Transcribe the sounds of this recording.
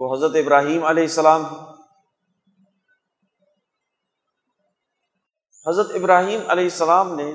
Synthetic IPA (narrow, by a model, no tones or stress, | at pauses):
oɦɐzɾət̪ɪbɾaːɦiːmɐleɦɪsːɐlaːm | hɐzɾət̪ɪbɾaːɦiːmɐ̰leːɦɪsːəlaːmnẽ